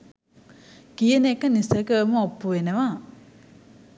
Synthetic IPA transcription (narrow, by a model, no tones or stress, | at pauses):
kijənekənisəkəəməopːuʋenəʋa